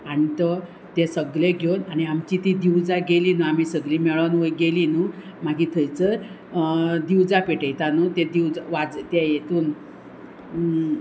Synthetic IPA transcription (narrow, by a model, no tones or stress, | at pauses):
aɽ̃it̪ə | t̪ɛsəɡleɡʱewnañiamt͡ɕit̪id̪iwd͡zaɡelinuamiːsəɡlimɛɭanʋəjɡelinu | maɡiːt̪ʰəjt͡səɾ | d̪iwd͡zapeʈəjt̪anut̪ɛd̪iwd͡zʋad͡zt̪ɛjet̪uːn